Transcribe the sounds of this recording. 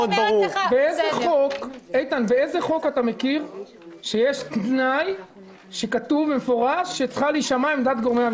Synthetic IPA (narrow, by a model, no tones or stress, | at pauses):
od̪baubeezeχo̞kejt̪anveezeχo̞kat̪ame̞kiʁ | ʃe̞jeʃt̪naj | ʃe̞kat̪uvemefo̞ʁaʃːet͡sχaliʃamaimd̪at̪ɡo̞ʁmea